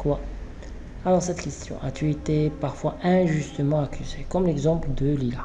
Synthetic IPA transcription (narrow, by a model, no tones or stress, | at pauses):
kwa | alɔʁsɛt̪kʲɛst̪jɔ̰̃ʔat̪yet̪epaʁfwaɛ̃ʒyst̪əmɑ̃akʲyzekɔmlɛɡzɑ̃pləd̪əlila